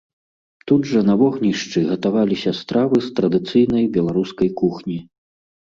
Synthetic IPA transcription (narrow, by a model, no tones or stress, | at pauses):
t̪ud̪ʐɐnavɔɣnʲiʂt͡ʂɨɣɐt̪avalʲisʲɐst̪ɾavɨst̪ɾɐd̪ɨt̪sɨjnɐjbʲɛlˠaɾuskɐjkuxnʲi